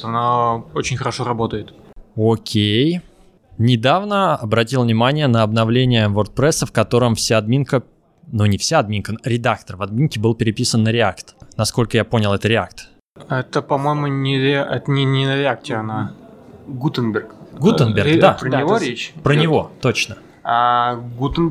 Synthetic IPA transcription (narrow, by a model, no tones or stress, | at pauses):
ɐnaot͡ɕɪnʲxəɾɐʂoɾɐbo̞t̪əjɪt̪okʲʰej | nʲɪd̪avnəɐbɾɐtʲilˠvnʲɪmanʲɪjənəɐbnɐvlʲenʲɪjəvort̪̚pɾɛsəfkɐt̪o̞ɾəmfsʲaɐd̪mʲinkə | nunʲɪfsʲaːd̪̚mʲinkəɾʲɪd̪akt̪ərvɐd̪mʲinkʲɪbɨlˠpʲɪɾʲɪpʲisənːəɾʲɪakt̪nɐsko̞lʲkəjapo̞nʲɪlˠɛt̪əɾʲɪak̚t̪ | ɛt̪əpɐmojɪmʊnʲɪɾʲɛt̪ənʲɪnʲɪnəɾʲɪak̚tʲɪɐna | ɡut̪ɨnbʲɪrkɡuənbʲɪrɡd̪apɾənʲɪvoɾʲet͡ɕpɾənʲɪvo̞t̪ot͡ɕnə | aɡut̪ɨnʲ